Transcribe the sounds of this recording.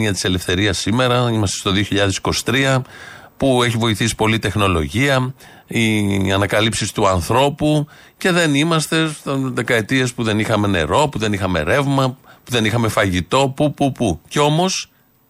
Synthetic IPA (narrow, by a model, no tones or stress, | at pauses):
iɐt̪i̥se̞le̞fθe̞ɾiɐsːime̞ɾɐimɐst̪e̞st̪oðio̞çiʎɐðe̞si̥ko̞si̥t̪ɾiɐ | pueçivo̞iθisi̥po̞lit̪e̞xno̞lo̞̰ʝiɐ | iɐnɐkɐlipsist̪uɐnθɾo̞pu | ce̞ðe̞nimɐst̪e̞st̪ðe̞kɐe̞t̪ie̞spuðe̞nixɐme̞ne̞̰ɾo̞puðe̞nixɐme̞̰ɾe̞vmɐpuðe̞nixɐme̞fɐʝit̪o̞pupupuceo̞mo̞s